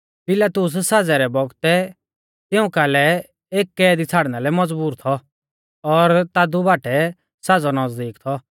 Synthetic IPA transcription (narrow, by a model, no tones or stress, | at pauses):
pɪlaːt̪ʊs̬saːd͡zɛɾɛbɔɡt̪ɛ | t̪ɪũkalɛ | eːkːɛːd̪it͡sʰaːɽnalɛmɐd͡zbuːɾt̪ʰɔ | ɔɾt̪aːd̪ubaːʈɛ | saːd͡zɔnɐd͡zd̪iːkt̪ʰɔ